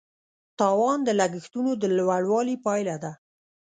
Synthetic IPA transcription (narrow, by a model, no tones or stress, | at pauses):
t̪ɑwɑnd̪əlaɡəxt̪unod̪əlwaɽwɑlipɑjlad̪a